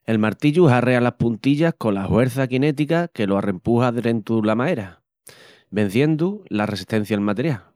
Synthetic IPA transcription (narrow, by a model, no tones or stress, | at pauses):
e̞lmaɾt̪iʎuɦare̞alapunt̪iʎahko̞lahwe̞ɾθakine̞t̪̬ikake̞loare̞mpuhaðɾe̞nt̪ulamae̞ɾa | be̞n̟θje̞nd̪ulare̞si̥ht̪e̞n̟θjaelmat̪e̞ɾjal